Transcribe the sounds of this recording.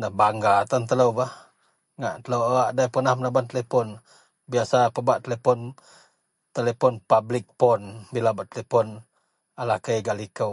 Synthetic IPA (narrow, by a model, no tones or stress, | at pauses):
nəhbaŋɡat̪ɔnt̪ələwbah | ŋaʔt̪ələwaʔdajpənahmənabant̪əlepɔn | biasapəbaʔt̪əlepɔn | t̪əlepɔnpablɪk̚pɔnbilabaʔt̪əlepɔn | alakəjɡalikəw